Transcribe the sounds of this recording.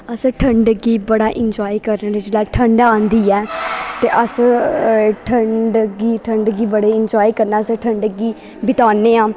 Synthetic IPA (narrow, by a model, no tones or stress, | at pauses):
əsʈʰəɳɖɡiːbəɽaːʔɪɲd͡ʒoːiːkəɾnːɾid͡ʒlaːʈʰəɳɖãːnd̪iːɛːt̪eːʔəs | ʈʰəɳɖɡiːʈʰəɳɖɡiːbəɽeːɪɲd͡ʒaːiːkəɾnaːəsʈʰəɳɖɡiː | bɪt̪aːneːãː